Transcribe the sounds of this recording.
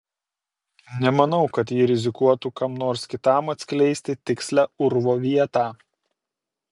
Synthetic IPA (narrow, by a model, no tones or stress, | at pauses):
nʲɛmɐnɐʊkɐt̪jiːɾʲɪzʲɪkuɔt̪uːkɐmnoːɾskʲɪt̪ɑˑmɐt̪ʲsʲkʲlʲɛɪsʲt̪ʲɪt̪ʲɪksʲlʲæʊɾʋoːʋʲiɛt̪ɑː